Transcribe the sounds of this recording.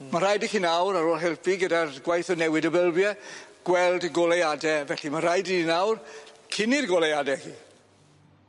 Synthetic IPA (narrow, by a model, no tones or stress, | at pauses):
maɾajdihiːnawɾaɾoːlˠɦɛlˠpiɡədarɡwajθɔnɛwɪdəbəlˠbjɛɡ̥wɛlˠdɡɔlejadɛvɛɬimaɾajdiinawrkʰɪnirɡɔlejadɛhiː